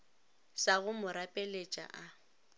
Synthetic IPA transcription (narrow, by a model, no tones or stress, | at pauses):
saɣʊmʊɾapʼelet͡ʃʼa̰ʔa